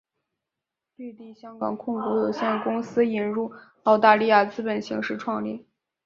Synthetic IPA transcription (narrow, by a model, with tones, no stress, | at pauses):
ly˥˧t̪i˥˩ɕjɑ˥ŋkɑ˨˩ŋkʰʊ˥˩ŋku˧˥jo˨˩ʊɕjɛ˥˩n˩kʊ˥ŋsɹ̩˥i˨˩nɻu˥˩ | ɑ˥˧ʊt̪a˥˧li˥˧ja˥˩t͡sɹ̩˥pə˨˩nɕi˧˥ŋʂɻ̩˥˧ʈ͡ʂʰwɑ˥˧ŋlḭ˥˩